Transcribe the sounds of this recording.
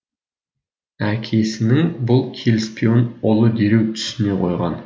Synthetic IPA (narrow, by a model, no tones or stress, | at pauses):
ækʲʰe̞sɪnɪŋbʊlˠkʲʰe̞lɪspʲio̞nolˠəd̪e̞ɾewt̪ʰʏ̥sɪne̞qʰo̞̰jʁɑ̰n